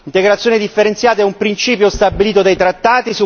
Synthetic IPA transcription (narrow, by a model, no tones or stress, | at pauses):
int̪eɡɾat̪sːjoːnid̪ifːeɾent̪sjaːt̪aɛumpɾint͡ʃiːpjost̪abːiliːt̪od̪ajt̪ɾat̪ːaːt̪isu